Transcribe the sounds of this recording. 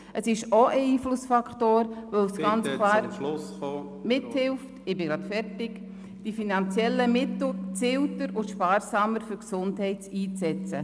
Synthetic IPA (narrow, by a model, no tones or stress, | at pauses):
ʔəsɪʃɔʔəiːflʊsfɑkχtoːɾʋowsɡ̥ɑnt͡sʰlɑːɾso | mɪthɪlftɪbɪɡɾɑːtfɛrtɪk | d̥ifinɑnt͡sjɛlːəmɪtt͡sɪltəɾʊtʃpɑːɾsɑməɾfyɾksʊndhɛɪtiːt͡sɛt͡sə